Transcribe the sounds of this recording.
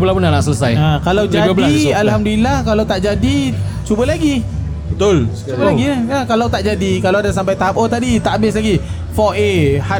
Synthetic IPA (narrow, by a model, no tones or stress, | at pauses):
bəlapunanaʔsələsajakalawd͡ʒiaɡabdəlaalɦamdulilahkalawt̪aʔd͡ʒadit͡ʃubəlaɡi | bət̪ʊl | t͡ʃubəlaɡiəkalawt̪aʔd͡ʒadikalawadasampajt̪aɦap̚ot̪adit̪aʔabɪslaɡi | fɔeha